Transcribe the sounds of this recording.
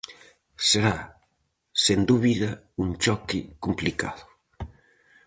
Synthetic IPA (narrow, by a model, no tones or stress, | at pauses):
seɾa | send̪uβiðɐ | uŋt͡ʃɔkikumplikaðʊ